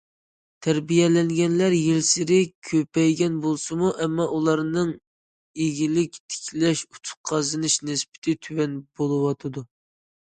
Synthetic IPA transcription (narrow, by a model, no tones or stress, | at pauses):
t̪ʰæɾbijɛlɛŋɡʲɛnlæɾjilsɪɾɪkʲʰøpɛjɡʲɛnbolˠsɨmuʔɛmːɑʔulˠɑɾnɨŋ | eɡʲilɪkʲt̪ʰɪ̥kʲʰlɛʃu̥t̪ʰʊ̥qʰɑzɨnɨʃnɪspɪ̥t̪ʰɪt̪ʰywɛnb̥olˠɨwɑt̪ʰɨd̪u